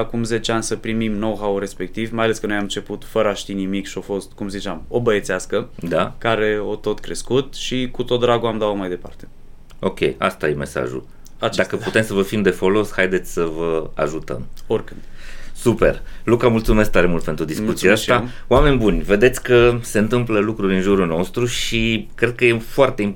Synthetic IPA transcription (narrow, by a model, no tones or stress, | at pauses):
akumze̞t͡ʃeanʲsəpɾimimno̞wɦawɾe̞spe̞k̚t̪ivmajale̞skənojamt͡ʃe̞put̪fəɾəaʃt̪inimikʃio̞fo̞st̪kumzit͡ʃamo̞bəet̪seaskəd̪akaɾe̞o̞t̪o̞t̪kɾe̞skut̪ʃikut̪o̞t̪̚d̪ɾaɡoamd̪aomajd̪e̞pa̰rt̪e̞̥ | o̞kʲe̞̰ja̰st̪ajeme̞sa̰ʒṵ | at͡ʃd̪akəput̪e̞msəvəfimd̪e̞folo̞shajd̪et̪sʲsəvəa̰ʒut̪ə̰morʲkɨnsupe̞̰rlukamult̪sume̞skt̪aɾemult̪pe̞nt̪ɾud̪iskut̪siaasa | oame̞nʲbunʲve̞d̪et̪sʲkəse̞ɨnt̪ɨmpləlukɾurʲɨnʒuɾulno̞st̪ɾuʃikɾe̞d̪̚kəjefoart̪e̞im